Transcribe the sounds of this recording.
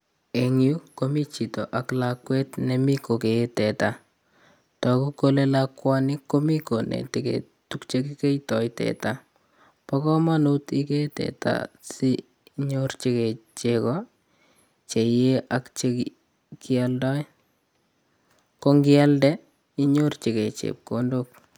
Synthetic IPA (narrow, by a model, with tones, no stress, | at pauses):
e˨ŋju˦ko˦mi˦t͡ʃi˨to˨ʔa˨klakwe˦tnɛmi˦ko˨keː˨˦tɛ˨ta˨ | tɔ˨ku˦kole˦lakwa˦nɪ˦kːo˦mi˦ko˨nḛ˨tekḛ | tukt͡ʃekike˦jtɔ˨jtɛ̰˨ta | pɔ˦kɔ˦ma˦nu˦ti˦ke˦tɛ̰˨ta̰si | ɲort͡ʃe˦ke˨t͡ʃe˨kɔ | t͡ʃe˨je˦ʔa˨kt͡ʃeki | kialdɔ˦j | ko˦ŋɡɪ˦a˦ldɛ | i˦ɲo˦rt͡ʃe˨ke˨t͡ʃḛ˨p̚kondok̚